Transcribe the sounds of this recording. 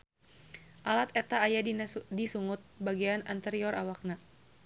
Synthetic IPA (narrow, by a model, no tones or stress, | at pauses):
ʔalat̪ɛt̪aːjadidisuŋʊt̪̚baɡianant̪ɛɾiɔrawak̚na